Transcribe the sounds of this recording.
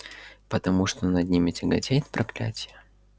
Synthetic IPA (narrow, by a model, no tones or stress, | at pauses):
pət̪ɐmuʂt̪onɐd̪nʲimʲɪtʲɪɡɐtʲejɪt̪pɾɐklʲæ̰tʲɪjə